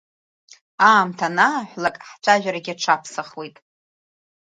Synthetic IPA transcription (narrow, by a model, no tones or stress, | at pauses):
aːmtʰanaːħʷlakʼħt͡ɕʷʰʼaʒᶣaɾaɡʲɪaʈ͡ʂʰapʰsaχwejtʼ